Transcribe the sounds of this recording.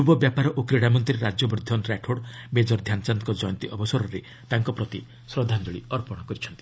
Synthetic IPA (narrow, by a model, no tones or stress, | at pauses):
ubɔbjapaɾɔʔokɾeɽamɔnt̪ɾieɾad͡ʒjɔbɾid̪ʱːɔnɾaʈʰoɽbed͡ʒɔɾd̪ʱjant͡ʃankɔd͡ʒɔjɔnt̪iʔɔbɔsɔɾɔɾe | t̪aŋkɔpɾɔt̪i | sɾɔd̪ʱand͡ʒɔɭḭɔɾpɔɽ̃ɔkɔɾit͡ʃʰɔnt̪i̥